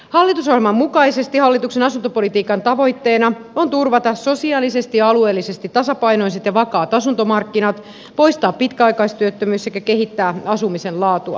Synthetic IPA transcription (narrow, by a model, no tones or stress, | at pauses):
hɑlːit̪usohemɑmmukɑjse̞st̪ihɑlːit̪ukse̞nɑsunt̪opo̞lit̪iːkɑnt̪ɑʋo̞jt̪ːe̞ːnɑo̞nt̪urʋɑt̪ɑso̞siɑːlise̞st̪iɑɑlue̞ːlːisest̪it̪ːɑsɑpɑjno̞iset̪jɑʋɑkɑːt̪ɑsunt̪o̞mɑrkːinɑt̪ | po̞jst̪ɑːpːit̪kæɑjkɑjst̪yøt̪ːømyːsekæke̞ɦit̪ːæːɑsumise̞nlɑːt̪uɑ̰